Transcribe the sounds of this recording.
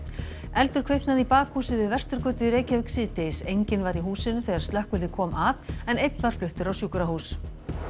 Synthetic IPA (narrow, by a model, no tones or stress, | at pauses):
ɛlt̪ʏɾ̥kʰvehknaðipaːkhuːsɪvɪðvɛr̥st̪ʏɾ̥kœːt̪ʏɾeːjcavɪksɪːt̪ejsejɲcɪnvaɾiɦuːsɪnːʏθɛɣaɾst̪ɛhkvʏlðɪkʰɔːmʔaðɛnejt̪nvaɾ̥flʏht̪ʏɾawsjuːkʏɾahuːs